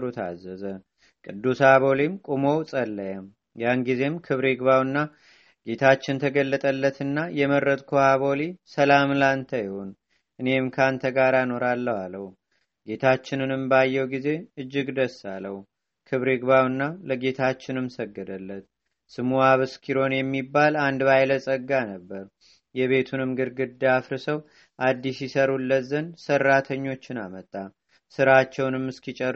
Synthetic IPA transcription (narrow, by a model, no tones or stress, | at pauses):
ɾut̪ʰa̰zːəzə | kʼɨd̪ːusaβo̞limkʼumo̞wsʼəlːəjəm | janɡize̞mkʰɨβɾiɡβawɨnːa | ɡe̞t̪ʰat͡ʃːɪnt̪ʰəɡəlːət̪ʼəlːət̪ɨnːajɛməɾːət̪ʼkʰohaβo̞lisəlamlant̪ʰəjɪho̞n | ʔɨne̞mkʰant̪ʰəɡaɾano̞ɾalːəwaləhu | ɡe̞t̪ʰat͡ʃːɪnɨnɨmbajːɛwɡize̞ɨd͡ʒːɪɡd̪əsːaləwu | kʰɨβɾɨɡβawɨnːaləɡe̞t̪ʰat͡ʃːɪnɨmsəɡːəd̪əlːət̪̚ | sɨmuaβɨskʰiɾo̞njɛmːibːaland̪bajləsʼəɡːanəbːəɾ | jɛβe̞t̪ʰunɨmɡɨɾɡɨd̪ːafɾɨsəw | ʔad̪ːisjisəɾulːət̪zənsərːat̪ʰəɲːo̞t͡ʃːɪnamət̪ʼːa | sɨɾat͡ʃːɛwnɨmːɨskit͡ʃʼɛ